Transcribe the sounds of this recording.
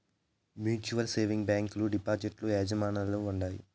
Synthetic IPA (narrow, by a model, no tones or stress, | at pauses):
mjuːt͡ʃuʋɐlseːʋiŋɡbaːŋkluɖipaːɾd͡ʒiʈlueːd͡ʒɐmaːnalːoːuɳɖaːjṵ